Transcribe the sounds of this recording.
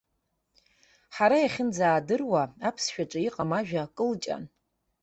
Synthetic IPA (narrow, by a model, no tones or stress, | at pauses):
ħaɾajaχʲɪnd͡zaːdɨrwaapʰsʃᶣaʈ͡ʂʼɨiqʼamaʒᶣakʼɨlt͡ʃʼa̰n